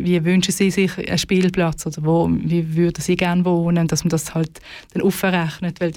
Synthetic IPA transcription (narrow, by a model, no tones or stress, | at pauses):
viəvʏnʃəsiːsɪχə̰ʃpiːlplɑt͡sod̥əʁʋoːviːvyɐd̥əsiːɡ̥æɐnvoːnəd̥ɑsməd̥ɑshɑlt | d̥ɛnʔufəʁæχnətʋɛl